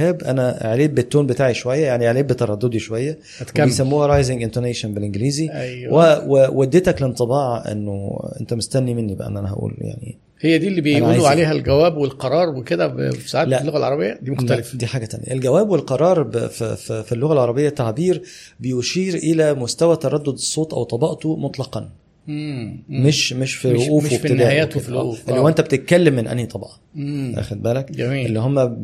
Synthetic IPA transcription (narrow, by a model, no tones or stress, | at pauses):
æːbʔæ̰næʔeʕleːbːet̪ːoːnbet̪aːʕiʃowæjːæjaʕniʔʕleːbːet̪ːɑɾˤɑd̪ːod̪iʃowæjːæ | t̪eejsæmmːuːhæɾˤɑjzɪɡʔent̪eɾneːʃonbelʔenɡliːziæjwewewæd̪ːet̪æklent̪ˤɨbɑːʕʔḛnːoʔḛnt̪æmost̪ænːimenːibeʔæ̰nːʔænæhæ̰ʔṵːlja̰ʕnḭ | hejːæd̪iːlːiːbejuluʕaleːɦælɡæwæːbwelqɑɾˤɑːɾˤweked̪æfsaʕaːlælːoɣælʕɑɾˤɑbejːæd̪iːmoxt̪ælefd̪iːħaːɡæt̪æ̰njæ̰ʔelɡæwæːbwelqɑɾˤɑːɾˤbffifilːoɣælʕɑɾˤɑbejːæt̪ːaʕbiːɾ | bejoʃiːɾʔelæmost̪æwæt̪ɑɾˤɑd̪ːod̪esˤːoːt̪ˤʔæ̰wt̪ˤɑbɑʔt̪omot̪ˤlɑqɑn | meʃmeʃfiloʔʔuːweb̪ed̪æːæjːæːt̪filo̰ʔuːfʔelːowːʔent̪æbet̪et̪̚kælːemːenʔæ̰nːit̪ˤɑbɑʕɑʔæ̰xæd̪̚bæːlækɡæmiːḛlːihomːæ